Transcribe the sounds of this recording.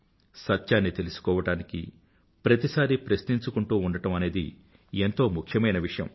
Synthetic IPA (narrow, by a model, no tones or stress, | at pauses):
sɐt̪ːjaːnːit̪e̞lusu̥kɔːʋɐʈaːnikḭ | pɾɐt̪isaːɾipɾɐsniɲt͡ʃukuɳʈuːuɳɖɐʈɐmɐne̞ːd̪ḭ | ent̪o̞ːmukʰjɐmɐjnɐʋiʂɐjɐ̰m